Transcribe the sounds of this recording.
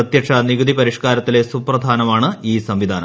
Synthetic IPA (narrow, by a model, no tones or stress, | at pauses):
ɐt̪jɐʂɐniɣud̪ipɐɾiʂkaːɾɐt̪ːile̞suprɐd̪ʱaːnɐmaːɳɨiːsɐmʋid̪ʱaːnɐ̰